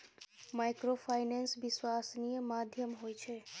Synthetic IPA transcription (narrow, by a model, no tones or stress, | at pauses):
majkɾofʰajnensʋɪswasnijəmad̪ʱjəmɦojt͡ʃʰe